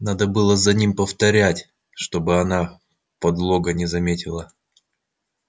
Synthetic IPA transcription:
nad̪əbɨlˠəzɐnʲimpəft̪ɐɾʲætʲ | ʂt̪o̞bɨɐna | pɐd̪lˠoɡənʲɪzɐmʲetʲɪlˠə

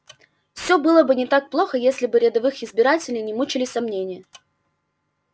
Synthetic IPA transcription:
fsʲɵbɨlˠəbɨnʲɪt̪ak̚plˠo̞xəjesʲlʲɪbɨɾʲɪd̪ɐvɨxɪzbʲɪɾatʲɪlʲɪjnʲɪmut͡ɕɪlʲɪsɐmnʲenʲɪjə

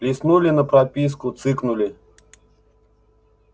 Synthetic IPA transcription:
lʲɪsnulʲɪnəpɾɐpʲiskʊt̪sɨknʊlʲɪ

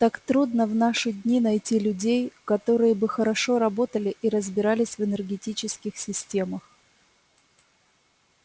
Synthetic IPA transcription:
t̪akt̪ɾud̪nəvnaʂɨdʲnʲinɐjtʲilʲʉdʲejkɐt̪o̞ɾɨjəbɨxəɾɐʂo̞ɾɐbo̞t̪əlʲɪʔiɾəzbʲɪɾalʲɪsʲvɨnərɡʲɪtʲit͡ɕɪskʲɪxsʲɪsʲtʲeməx

